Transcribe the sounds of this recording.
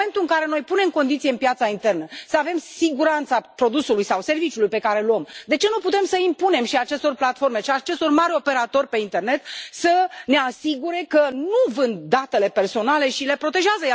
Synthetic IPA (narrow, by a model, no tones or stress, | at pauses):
ent̪uɨŋkaɾe̞no̞jpune̞mko̞nd̪it̪sijeɨmpjat̪saint̪e̞rnəsəave̞msiɡuɾant̪sapɾo̞d̪usulujsawse̞rvit͡ʃjulujpe̞kaɾe̞luəmd̪e̞t͡ʃe̞nuput̪e̞msəimpune̞mʃiat͡ʃe̞st̪o̞rplat̪fo̞rme̞ʃiat͡ʃe̞st̪o̞rmaɾʲo̞pe̞ɾat̪o̞rʲpe̞int̪e̞rne̞t̪səne̞asiɡuɾe̞kənuvɨnd̪̚ːat̪e̞le̞pe̞rso̞nale̞ʃile̞pɾo̞t̪e̞ʒeazə